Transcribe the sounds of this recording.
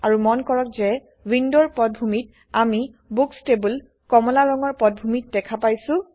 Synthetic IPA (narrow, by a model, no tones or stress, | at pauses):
aɹumɔnkɔɹɔkzɛ | windɔɹpɔt̚bʱumit | amibukstebul | kɔmɔlaɹɔŋɔɹpɔt̚bʱumit̚dɛkʰapajsʊ̃